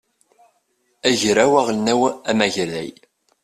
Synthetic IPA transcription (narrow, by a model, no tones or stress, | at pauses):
æʝɾæwæʁlnæwæmæʝəɾðæ̰j